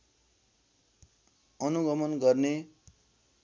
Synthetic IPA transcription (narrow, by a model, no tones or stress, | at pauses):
ʌnuɡʌmʌnɡʌrne